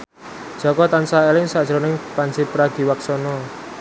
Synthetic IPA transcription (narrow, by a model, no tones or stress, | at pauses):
d̥ʒ̥ɔ̤kɔt̪ansaelɪŋsad̥ʒ̥əɾonɪŋpansɪpɾaɡ̥i̤waksɔnɔ